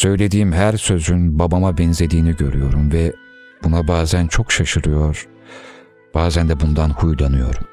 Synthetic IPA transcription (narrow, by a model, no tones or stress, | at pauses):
sø̞jlʲe̞d̪iːmɦæɾsø̞zynbabamabɛnze̞d̪iːniɟø̞ɾyjo̞ɾumvɛ | b̥unabaːzænt͡ʃʰo̞kʃaʃɯɾɯjo̞ɾ̥ | b̥aːzænd̪ɛbund̪anhujd̪anɯjo̞̰ɾum